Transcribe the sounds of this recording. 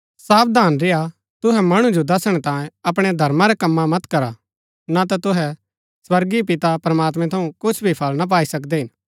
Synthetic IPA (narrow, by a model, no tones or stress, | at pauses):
saːp̚d̪ʱaːnɾɪja | t̪ʊɦɛmɐɽ̃ũd͡ʒod̪ɐsəɽ̃ɛt̪ãːjẽɐpɽ̃ɛd̪ʱɐɾmaɾɛkɐmːamɐt̪kɐɾa | nat̪̬at̪ʊɦɛ | swɐɾɡipɪt̪apɾɐmaːt̪̬mɛ̃t̪ʰɐũkʊt͡ʃʰbʱipʰɐlnap̬aːisɐk̬d̪ɛɦɪ̃n